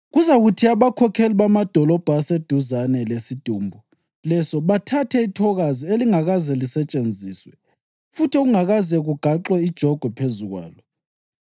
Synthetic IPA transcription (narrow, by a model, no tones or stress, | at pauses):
ɣuzaɣutʰiaβakʰɔkʰeliβamad̥ʱɔlɔb̥ʱːsed̥ʱuzanɛlesid̥ʱuːmbʱu | lɛsɔβatʰatʰɛitʰɔɣazieliŋaɣazɛlisɛt͡ʃʼend͡zʱiːswɛ | futʰioɣuŋaɣazɛɣuɡ̥ʱaǁwɛid̥ʒ̥ʱɔɡ̥ʱwɛpʰezuɣwa̰ːlɔ